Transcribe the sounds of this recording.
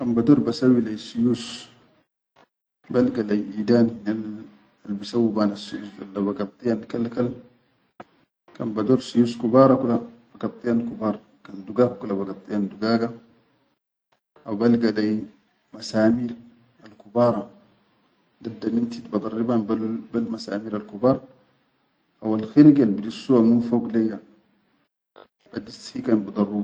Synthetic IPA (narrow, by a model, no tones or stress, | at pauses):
kanbadoɾbasawilajsujus | balɡalajʔidaːnhinal | albisawːibanasujusda̰lːabaɡat̪ˤʼːijankalkal | kanbadoɾsujuskubaːɾˤɑkulabaɡat̪ˤʼːijankubaːɾˤ | kanduɡakkulabaɡat̪ʼˤːijanduɡaɡa | abalɡadaj | masaːmiːɾ | alkubaːɾˤɑ | dadːamintitbad̪ˤɑrːibanbalbalmasa̰ːmiːɾalkubaːɾˤ | awalxiɾɡalbidisːuwamufoɡleɡa | badishikanbud̪ɑrːub